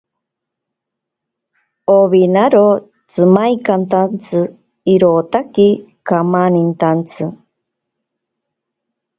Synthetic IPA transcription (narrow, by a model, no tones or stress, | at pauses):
oβinaɾo | t͡sɨmajkant̪ant͡sʰɨ | iɾot̪akikamanint̪ant͡sʰɨ